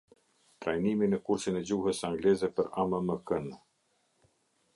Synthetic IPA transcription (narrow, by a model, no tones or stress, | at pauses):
t̪ɾajniminɛkuɾsinɛd͡ʑuhəsaŋɡlɛzɛpəɾaməməkən